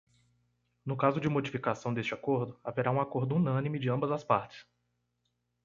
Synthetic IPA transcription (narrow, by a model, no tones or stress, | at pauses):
nʊkazʊd͡ʒɪmod͡ʒifikasɐ̃w̃d̪est͡ʃɪakoɾd̪ʊaveɾaũakoɾd̪ʊunɐ̃nimɪd͡ʒɪɐ̃mbɐzɐspaɾt͡ʃɪ̥s